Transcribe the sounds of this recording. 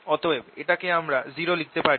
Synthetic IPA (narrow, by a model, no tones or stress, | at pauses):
ɔt̪oebeʈakeamɾaziɾolik̚t̪epaɾi